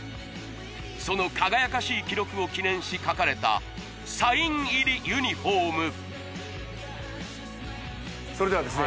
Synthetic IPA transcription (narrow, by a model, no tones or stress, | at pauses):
so̞no̞kʰaɡajakaɕiːkʲiɾo̞kɯ̟o̞kʲinẽ̞ɰ̃ɕikakaɾe̞t̪a̰ | saĩŋiɾʲijɯ̟ɲ̟iɸoːmɯ̟ | soɾe̞d̪eβad̪ese